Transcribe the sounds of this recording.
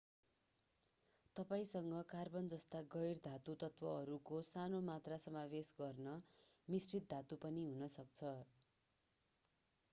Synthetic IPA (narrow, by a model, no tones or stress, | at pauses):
t̪ʌpaĩsʌŋɡʌkarbʌnd͡zʌst̪aɡʌjrd̪ʱat̪ut̪ʌt̪wʌʌɾukosanomat̪rasʌmabesɡʌrnʌmisrit̪̚d̪ʱat̪upʌniɦunʌsʌk̚t͡sʰʌ